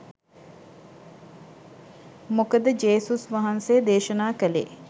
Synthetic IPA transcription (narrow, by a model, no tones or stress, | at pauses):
mokəd̪əd͡ʒeːsusʋaɦanseːd̪eːʃənaːkəlḛː